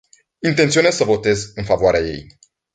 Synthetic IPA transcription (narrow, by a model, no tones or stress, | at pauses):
int̪ent̪sio̞nezsəvo̞t̪e̞zɨnfavoaɾeaje̞̰j